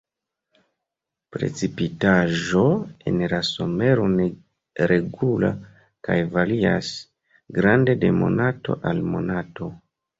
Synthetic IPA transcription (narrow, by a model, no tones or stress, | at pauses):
pɾe̞̰t͡sipitaʒo̞e̞̰nlaso̞me̞ɾo̞ne | ɾe̞ɡula̰ | kajvalia̰s | ɡɾande̞de̞mo̞̰nato̞̰ʔalmo̞nato̞